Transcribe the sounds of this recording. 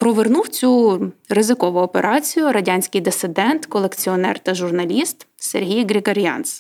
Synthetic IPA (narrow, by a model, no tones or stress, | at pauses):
pɾɔʋernuwt͡sʲurɪzɪkɔʋʊɔpeɾʔɑt͡sʲijʊɾɐdʲɑnʲsʲkɪjd̪esɪd̪ɛnt̪kɔlˠekt͡sʲiɔnɛ̰rt̪ɐʒʊrnɐlʲist̪serɦʲijɡɾʲɪɡɐɾʲjɑ̰ns